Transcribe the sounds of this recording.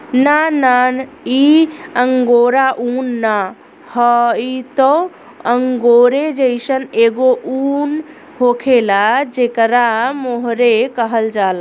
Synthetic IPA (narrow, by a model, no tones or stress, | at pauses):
nanan | iəŋɡoɾaʔunːa | həit̪ɔ | əŋɡoɾed͡ʒəjsəneɡoʔun | ɦokʰelad͡ʒekɾamoɦɾekəɦəld͡ʒala